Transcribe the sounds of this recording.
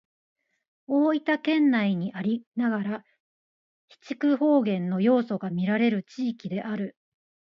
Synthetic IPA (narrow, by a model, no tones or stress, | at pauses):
o̞ːit̪akẽ̞nːaiɲ̟iʔaɾʲinaɡaɾa | çi̥t͡ɕi̥kɯ̟ho̞ːɡẽ̞nːo̞jo̞ːso̞ɡamʲiɾaɾe̞ɾɯ̟t͡ɕiːkʲid̪e̞ʔaɾɯ̟